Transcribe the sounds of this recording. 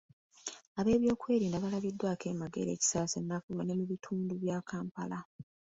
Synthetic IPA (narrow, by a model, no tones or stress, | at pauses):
aβe̞ːβjo̞ːkwe̞ːɾiːndaβalaβidːwaːke̞ːmaɡe̞̰ɾe̞̰ːci̥saːsenːakumanemuβitʰuːnduβjaːkʰaːmpala